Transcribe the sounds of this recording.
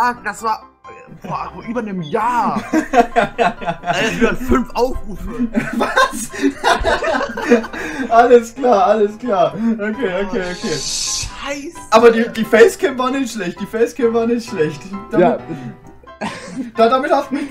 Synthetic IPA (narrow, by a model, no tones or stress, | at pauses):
ʔaːd̥asv̥aːɐ | b̥oːʔyːbɐnəmjaː | iɐfʏnfʔaʊfʁuːfvas | ʔaləsklaːɐʔaləskl̥aːɐʔokʰeːʔokʰeːʔokʰeːʃaɪsʔaːbɐdiːd̥iːfɛɪskʰɛːmvaːʁnɪçtʃlɛçt̚d̥iːfɛɪskʰɛːmvaːnɪçtʃlɛçtd̥aaːɪ | d̥aːdaːmɪtaʊf